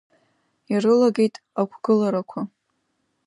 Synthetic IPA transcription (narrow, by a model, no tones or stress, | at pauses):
irɨlaɡe̞jtʼ | akʷʰɡ̥ɨlaɾakʷʰa